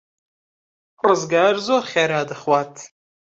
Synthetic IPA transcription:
azɡarzoχʲaɾaːdɨχwatʰ

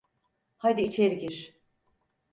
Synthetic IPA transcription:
had̪iːt͡ʃʰeɾiɟiɾ̥

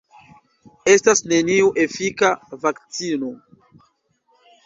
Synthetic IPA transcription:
e̞stasne̞niuʔe̞fikavakt͡sino̞

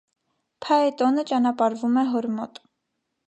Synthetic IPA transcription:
pʰɑɛt̪ɔnət͡ʃɑnɑpɑɾvumɛɦɔɾmɔt̪

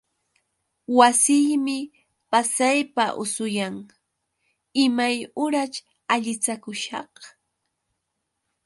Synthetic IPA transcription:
wasɪjmɪ | pasajpaʔʊ̰sʊjaŋ | ɪmajʊɾat͡ʃ | aʎɪt͡sakʊʃɑ̰h

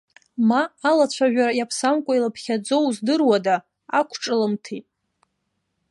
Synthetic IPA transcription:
maːlat͡ɕʷʰaʒᶣaɾajapʰsamkʷʼailapʰχʲad͡zowzdɨrwada | akʷʰʈ͡ʂʼɨlɨmtʰitʼ

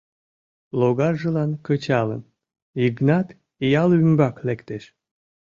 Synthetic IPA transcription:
loɣɑrʒəlɑnkət͡ɕɑlə̰n | iɡnɑt̪ | ijɑlymbɑklekt̪eʃ

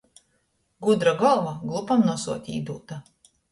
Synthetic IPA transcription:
ɡud̪ɾaɡɔlˠvaɡlˠupamnuɔsuɔt̪ʲḭːd̪uːt̪a

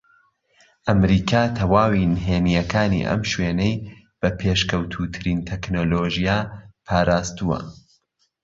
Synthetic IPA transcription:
ʔɐmɾiːkʰaːt̪ʰɐwaːwinɦeːnijɛkʰaːnḭʔɐ̰mʃweːnej | b̥ɐpʰeʃkɐwt̪ʰuːt̪ʰɨɾint̪ʰeknoːloʒijapʰaːɾaːst̪uwɐ̰

